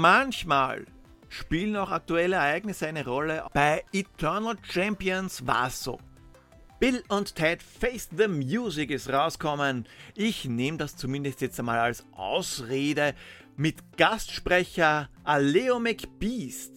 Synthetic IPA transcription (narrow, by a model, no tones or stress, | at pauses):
mançma̰ːl | ʃpiːln̩aʊxa̰k̚tuɛləɛɐæɪɡnɪsəæɪnəʁɔləb̥aɪitʰɜɐnl̩t͡ʃɛmpiənsva̰so̰ː | b̥ɪlʊnttʰːɛtfeɪsðəmjuːzɪkɪstʁaʊskʰɔmənɪçneːmdast͡sumɪ̃ndəstjɛt͡stamaːlalsʔa̰ʊsʁeːdə | mɪtɡ̥astʃpʁɛçɐʔaleomɛkb̥iːst